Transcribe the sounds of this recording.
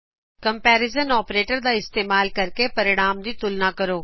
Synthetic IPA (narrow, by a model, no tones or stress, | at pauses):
kɐ̃mpɛːɾɪzənɔːpɾeːʈəɾd̪aɪst̪eːmaːlkɐɾkepɐɾɪɽ̃aːmd̪it̪ʊlnakɐɾoː